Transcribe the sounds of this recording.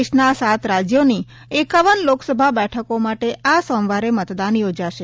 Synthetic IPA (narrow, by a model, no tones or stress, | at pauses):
ʃnasat̪ɾad͡ʒjoni | ekaʋənloksəbʱabɛʈʰəkomaʈeʔʔasɔ̃ʋaɾemət̪d̪anjod͡ʒaʃe